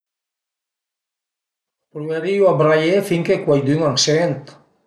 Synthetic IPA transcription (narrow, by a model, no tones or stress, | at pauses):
pɾuβeɾiwabɾajefiŋkekwajd̪yŋaksiðent̪